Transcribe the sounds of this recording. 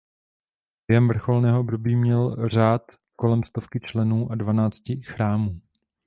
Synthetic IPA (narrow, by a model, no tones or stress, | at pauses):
bjɦɛmvr̩xolnɛːɦoʔobdo̞biːmɲɛlr̝aːt̪ | ko̞lɛmst̪o̞fkɪt͡ʃlɛnuːʔadvanaːt͡scɪxɾaːmuː